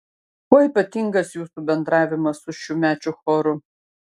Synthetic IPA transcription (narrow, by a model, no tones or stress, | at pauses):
kɔiːpɐt̪ʲiːŋɡɐsjuːsuːbʲɛnd̪ɾɑːʋʲɪmɐsʊʃuːmʲæːt͡ʃʲʊxɔːɾʊ